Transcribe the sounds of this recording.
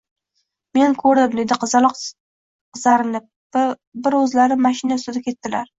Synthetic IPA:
me̞nkʰɵɾd̪ɪmd̪e̞d̪ɪqʰɨzɑl | qɨzaɾɪnɪp̚ | bɪɾɵzlaɾɪmaʃɪnasɪd̪akʲʰe̞t̪ːɪlaɾ

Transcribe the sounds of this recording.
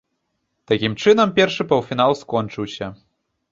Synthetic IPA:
t̪akʲimt͡ʂɨnɐmpʲɛrʂɨpɐwfʲinalˠskɔnt͡ʂɨwsʲɐ

